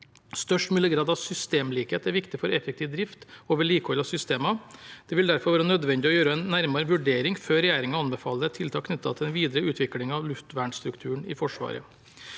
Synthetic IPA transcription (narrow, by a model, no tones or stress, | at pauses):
st̪œʂʈmʉːləɡɾɑːd̪ɑʋsʏst̪eːmliːkheːt̪æɾʋɪkt̪ɪfɔɾɛfɛk̚t̪ʰiːʋd̪ɾɪft̪oːʋəɭiːkəhɔlːɑsʏst̪eːmɑd̪̥ɛʋɪld̪æɾfɔɾʋɑːɾənœd̪ʋɛnd̪ɪɔjøːɾəɛnnːæɾmɑɾʋʉɖeːɾɪŋføːɾɛjæːɾɪŋənɑnbɛfɑːlːət̪ʰɪlt̪ʰɑːkʰnʏt̪ːɑ̰t̪ʰɪlɛnʋiːd̪ɾəʉːt̪ʰʋɪklɪŋɑʋlʉft̪ʋæːɳst̪ɾʉkt̪ʰʉːəɳɪ̰fɔʂʋɑ̰ːɾə̰